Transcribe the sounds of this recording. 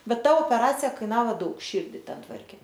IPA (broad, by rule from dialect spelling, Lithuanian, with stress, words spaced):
ˈbʲɛt ˈtɐ oːpʲɛˈrɑːt͡sʲɪjɛ ˈkɐɪnɐʋoː ˈdɐʊk ˈʃʲiːrʲdʲɪ ˈtʲɛn ˈtʋɐrʲkʲeː